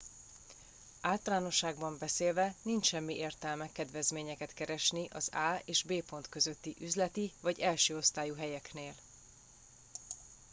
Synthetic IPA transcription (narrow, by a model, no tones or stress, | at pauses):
aːlt̪ɒlaːno̞ʃːaːɡ̚bɒmbɛseːlvɛnint͡ʃʃɛmːiʔeːrt̪ɛlmɛkːɛd̪vɛzmeːɲɛkɛt̪kɛɾɛʃniʔɒzaːeːʒbeːpo̞nt̪kø̞zøt̪ːiʔyzlɛt̪ivɒɟɛlʃøːo̞st̪aːjuɦɛjɛkneːl